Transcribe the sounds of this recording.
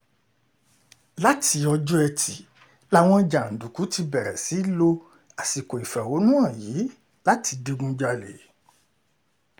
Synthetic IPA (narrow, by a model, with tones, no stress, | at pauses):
la˦ti˧ɔ˧d͡ʒɔ˦ɛ˧tʰi˨ | la˦w̃ɔ̃˦d͡ʒa˨n̩˨du˨ku˨˦ti˧bɛ˨ɾɛ̰˨si˨˦lo˧ | a˨si˨ko˨i˨fɛ˨wo˨˦nũ˦a˦˨ji˨˦ | la˦tʰi˧de˧ɡũ˦d͡ʒa˧le˨